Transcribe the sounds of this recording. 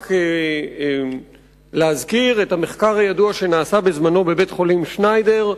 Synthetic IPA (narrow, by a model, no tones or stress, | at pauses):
k | leazkiʁethameχkaʁajaduaʃe̞naːsabe̞zmano̞be̞be̞tχo̞limʃnajde̞ʁ